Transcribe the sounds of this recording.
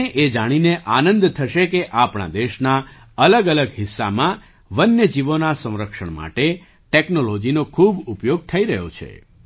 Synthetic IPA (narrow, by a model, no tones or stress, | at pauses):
eʔed͡ʒaɽ̃ineʔanə̃nd̪t̪ʰəʃekeʔapɳa̰d̪eʃna | ələɡələɡɦɪsːamã | ʋənːjəd͡ʒiʋonasə̃w̃ɾəkʃəɳ̃ma̰ʈe | ʈeknolod͡ʒinokʰubupjoɡ̚t̪ʰəiɾəɦjo̰t͡ʃʰḛ